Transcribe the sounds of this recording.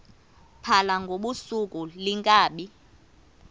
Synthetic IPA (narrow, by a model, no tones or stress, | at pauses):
pʰalaŋɡʱoɓusukʼuliŋkʼaːɓi